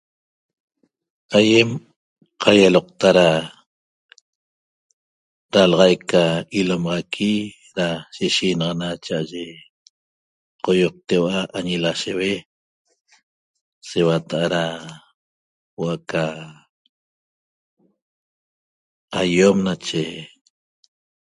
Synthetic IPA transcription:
ajem | qʰajaloq̚t̪aɾa | ɾalɑʁɑjkːailomʁɑkʰi | ɾaʃeʃinɑʁɑnat͡ʃaʔaʒe | qojoq̚t̪ewaʔaɲilaʃewe | sewat̪aʔaɾa | woaka | ajomnat͡ʃe

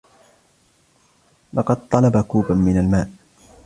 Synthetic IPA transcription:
lɑqɑd̪̚t̪ˤɑlɑbakuːbamɪnalmaːʔ

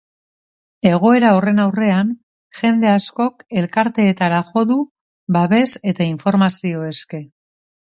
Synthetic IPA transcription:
e̞ɣ̞o̞e̞ɾao̞re̞nawre̞an | ʝe̞nd̪e̞asko̞ke̞lkaɾt̪e̞ːt̪aɾaxo̞ðu | βaβe̞se̞t̪aiɱfo̞ɾmasio̞e̞ske̞

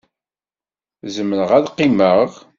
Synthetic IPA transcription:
zəmːənəʁæðqːiməʁ

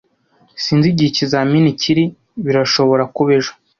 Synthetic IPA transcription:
siːnziɟicizaminiciɾi | βiɾaʃo̞βo̞ɾakuβeʒḁ

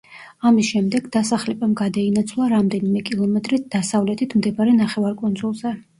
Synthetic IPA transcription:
amisʃɛmd̪ɛɡd̪asaχlɛbamɡad̪ainat̪sʰlˠaɾamd̪ɛnimɛkʼilˠɔmɛt̪ʼɾid̪̥asavlɛt̪ʰit̪ʰmd̪ɛbaɾɛnaχɛvaɾkʼund̪zulˠzɛ

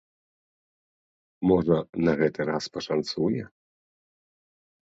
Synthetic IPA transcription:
mɔʐɐnaɣɛt̪ɨɾaspɔʂant̪sujɛ̰

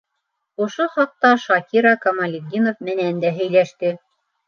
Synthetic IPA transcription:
ŏʃoχɑq̚t̪ɑʃɑkiɾɑkɑmɑlʲiɡ̪ʲinofmɘ̆nænd̪æɦɘ̆jlæʃt̪ɘ

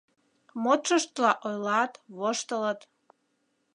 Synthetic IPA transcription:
mot̪ʃəʃt̪lɑʔojlɑt̪βoʃt̪ələt̪

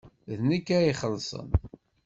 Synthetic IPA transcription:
ðnəkːæiχəlːsˤə̰n

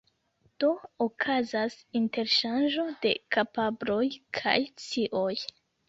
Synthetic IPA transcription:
d̥o̞okʰazasinte̞ɾʃand͡ʒo̞de̞̰kapabɾo̞jkʰa̰jt͡siʔoj

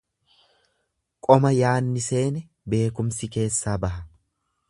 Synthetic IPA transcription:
kʼɔmɐjaːnːɪse̞ːnɛ | be̞ːkʊmsɪke̞ːsːaːbɐɦɐ

